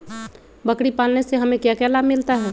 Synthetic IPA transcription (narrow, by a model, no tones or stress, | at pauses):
bəkɽipaːlneseɦəmẽkjakjalaːbmɪlt̪aɦɛː